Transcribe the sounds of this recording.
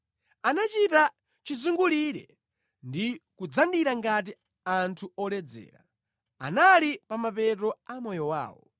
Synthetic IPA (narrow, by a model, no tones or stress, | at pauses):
anat͡ʃita | t͡ʃizuŋɡuliɾɛ̰ | ndikud͡zandiɾaŋɡat̬i | antʰuɔlɛd͡zɛ̰ːɾa̰ | a̰nalipamapɛtɔamɔjɔwa̰ːwɔ̰